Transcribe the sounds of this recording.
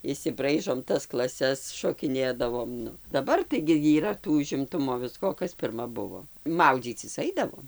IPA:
ɪʃʲsʲɪˈbrɐɪʒoːm ˈtɐs klˠɐˈsʲɛs ʃoːkʲɪˈnʲeːdɐʋoːm ˈnʊ dɐˈbɐr tɐɪɡʲɪ iːˈrɐ ˈtuː ʊʒʲɪmˈtʊmoː ˈʋʲɪskoː oː ˈkɐs pʲɪrˈmɐ ˈbʊʋoː ˈmɐʊd͡zʲiːt͡sʲɪs ˈɐɪdɐʋoːm

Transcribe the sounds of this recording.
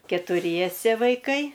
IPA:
kʲɛtʊˈrʲiɛsʲɛ ʋɐɪˈkɐɪ

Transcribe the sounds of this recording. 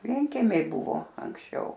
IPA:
ˈʋʲiɛŋʲkʲɛmʲɛɪ ˈbʊʋoː ɐŋksʲˈt͡ʃʲɛʊ

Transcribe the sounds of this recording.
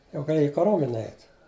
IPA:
jɛʊ ɡɐˈlʲeːjɛ ɪ kɐˈroːmʲɛnʲɛ ˈɛɪt

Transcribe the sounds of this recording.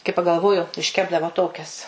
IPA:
kɐɪ pɐɡɐlˠˈʋoːjʊ ɪʃʲˈkʲæːbdɐʋoː ˈtoːkʲɛs

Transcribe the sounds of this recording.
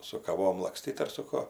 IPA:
sʊ kɐˈʋoːm lˠɐkˈsʲtʲiːt ɐr sʊ ˈkuɔ

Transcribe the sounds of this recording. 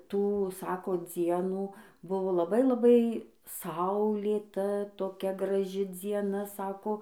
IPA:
ˈtuː ˈsɑːkoː ˈd͡zʲiɛnuː ˈbʊʋoː lˠɐˈbɐɪ lˠɐˈbɐɪ ˈsɐʊlʲeːtɐ toːˈkʲɛ ɡrɐˈʒʲɪ d͡zʲiɛˈnɐ ˈsɑːkoː

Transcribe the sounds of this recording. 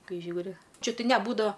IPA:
ˈkɐɪ ˈʒʲuːrʲɪ ˈt͡ʃʲɛ ˈtɐɪ nʲɛˈbuːdɐʋɐ

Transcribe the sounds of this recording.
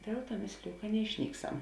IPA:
ˈdʲeːlˠ ˌtuɔ ˈmʲeːsʲlʲɪjʊ kɐ nʲɛɪʃʲˈnʲiːkˌsɐm

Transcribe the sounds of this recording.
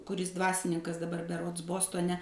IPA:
kʊˈrʲɪs ˈdʋɑːsʲɪnʲɪŋkɐs dɐˈbɐr bʲɛˈroːts ˈboːstoːnʲɛ

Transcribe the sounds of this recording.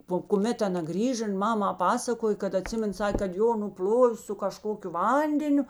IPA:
poː kʊˈmʲɛt ɐˈnɐ ˈɡrʲiːʒɐ ɪn ˈmɑːmɐ ˈpɑːsɐkoːj kɐt ɐˈtʲsʲɪmʲɛn ˈsɑːkʲeː kɐt ˈjoː nʊˈpʲlʲoːʋʲeː sʊ kɐˈʃkoːkʲʊ ˈʋɐnʲdʲɛnʲʊ

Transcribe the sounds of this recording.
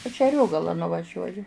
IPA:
ɐʃ ɪ ɐˈrʲoːɡɐlˠɑː nʊʋɐˈʒʲuɔjʊ

